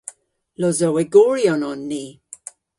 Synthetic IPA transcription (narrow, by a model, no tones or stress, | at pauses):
lɔzɔwɛɡɔɹjɔnɔnːiː